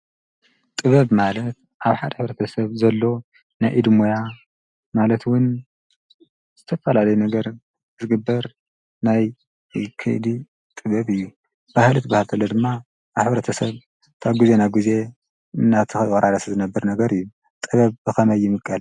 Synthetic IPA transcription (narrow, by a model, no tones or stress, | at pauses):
t̪ʼɨβɐβmalɐt̪̚ | ʔaβħad̪ħɨβɾɐt̪ʰɐsɐβzɐlːo̞ | najʔɨd̪moja | malɐt̪wʊn | z̥ɨt̪ʰɐfɐlalɐjunɐɡɐɾ | zɨɡɨbːɐɾ | naj | kʰɨ̰ʔd̪i | t̪ʼɨβɐβɨjːu | b̥ahlɨt̪bahlt̪ʰɐlːod̪ɨmːaː | βħɨβɾɐt̪ʰɐsɐβ | t̪ʰaβɡizenaɡize̞ | ɨnːat̪ʰɨxɨwʼɐɾʔaɾɐszɨnɐbːɨɾnɐɡɐɾɨjːu | t̪ʼɨβɐβbɨxɐmɐjːɪmɨkʼːɐl